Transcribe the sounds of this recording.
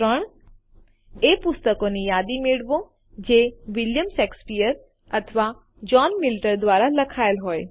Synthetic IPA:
ɾəɽ̃ | eːpʊst̪əkonijaːd̪imiɽʋõ | d͡ʑeːʋɪljəmseːkspijəɾ | ɐt̪ʰəʋa | d͡ʑɔːnmɪlʈəɾd̪wʋaːɾalɐkʰaːjəlɦoːe

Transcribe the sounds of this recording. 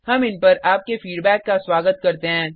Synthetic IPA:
hɐmɪnpɐɾʔaːp̚kefiːɖbɛːkːaswaːɡət̪̚kɐɾt̪eɦɛ̃ː

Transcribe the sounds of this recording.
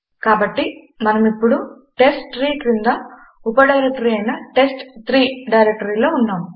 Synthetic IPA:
kaːbɐʈːi | mɐnɐmipːuɽu | ʈe̞sʈɾiːʈɾind̪ɐ | upɐɖɐjɾek̚ʈɐɾiɐjnɐʈe̞sʈt̪ɾiːɖɐjɾek̚ʈɐɾiːlo̞ːunːaːm

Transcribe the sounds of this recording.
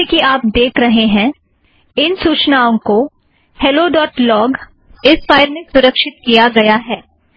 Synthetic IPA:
ekiaːp̚d̪eːkʰɾɐɦeɦɛ̃ | ɪnsuːt͡ʃnaːõko | hɛloɖɔːʈlɔːɡ | ɪsfaːɪɾmẽsʊɾəkʃɪt̪̚kijaɡɐjaɦɛː

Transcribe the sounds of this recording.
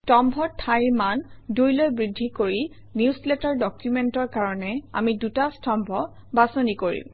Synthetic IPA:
tɔmbʱɔtʰajmandojlojbɹidʱːikoɹi | niuslɛtaɹdɔkjumɛntɔɹkaɹɔnɛa̰midutastɔmbʱɔ | basonikoɹḭm

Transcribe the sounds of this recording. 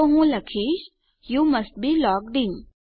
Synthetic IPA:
oɦũlɐkʰiːʃ | juːmɐst̚bilɔːk̚ɖɪ̃ŋ

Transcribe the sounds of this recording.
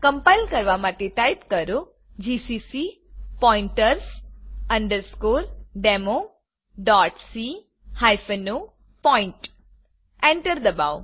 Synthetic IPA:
kə̃mpajlkəɾʋamaʈeʈajpkəɾo | d͡ʒisisi | pɔĩɳʈəɾsɐɳɖəɾskoːɾɖemo | ɖɔːʈsi | hajfəno | pɔɪ̃ɳʈ | ẽɳʈəɾd̪ɐba̰w

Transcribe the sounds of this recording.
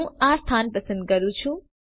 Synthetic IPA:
ãst̪ʰaːnpɾəsənd̪̚ɡʌɾũt͡sʰũ

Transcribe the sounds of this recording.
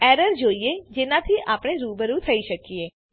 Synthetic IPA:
ɛɾəɾd͡ʒoied͡ʒenat̪ʰiʔapɽ̃eɾuːbəɾũt̪ʰəiʃəkie

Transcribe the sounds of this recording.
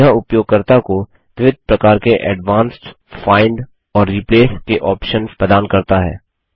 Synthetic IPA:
aʊpjoːɡ̚kɐɾt̪ako | ʋɪʋɪd̪̚ʱpɾɐkaːɾkeʔɛɖʋãːnsʈ | faːɪɳɖ | ɔːɾːiːpleːskeʔɔːpʃənpɾɐd̪aːnkɐɾt̪aɦɛ̰ː

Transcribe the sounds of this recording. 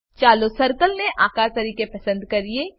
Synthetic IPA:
t͡ʃaːlosɐɾkəlneʔaːkaːɾt̪ɐɾiːkepɐsə̃nd̪kɐɾie

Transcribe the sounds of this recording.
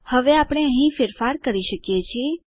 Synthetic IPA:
həʋeapɽ̃eəɦĩfɪɾfaɾkəɾiʃəkjet͡ʃʰie

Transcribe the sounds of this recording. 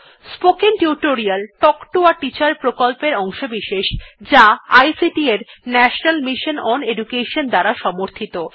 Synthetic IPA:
spokeŋʈuʈoɾialʈɔkʈuaʈit͡ɕaɾpɾokolpeɾɔŋʃobiʃeʃd͡ʑaajsiʈieɾnɛʃonalmiʃonɔneɖukeʃond̪aɾaʃɔmoɾt̪ʰit̪o

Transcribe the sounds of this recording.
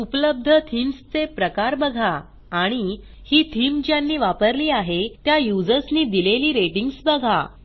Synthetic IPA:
upələb̚d̪ʱət̪ʰimst͡sepɾəkaɾbəɡʱa | aɽ̃i | hiːt̪ʰiːmd͡ʑjanːiːʋapəɾliːaɦet̪jajud͡zəɾsniːd̪ileliːɾeʈiŋɡsbəɡʱa̰

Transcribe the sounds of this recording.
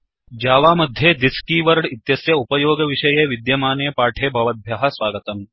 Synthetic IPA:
d͡ʒaːʋaːmɐd̪ʱjed̪iskiːʋɐɾɽit̪jɐsjɐupɐjoːɡɐʋiʃɐjeʋid̪jɐmaːneːpaːʈʰeːbʱɐʋɐd̪̚bʱjaɦɐ̆sʋaːɡɐt̪ɐm

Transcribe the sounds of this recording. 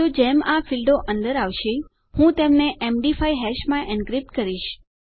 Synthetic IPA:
od͡ʒemafilɖoʔənd̪əɾaʋʃe | hũt̪emneʔemɖifaiɦɛʃmãʔɛnɡɾip̚ʈkəɾiʃ

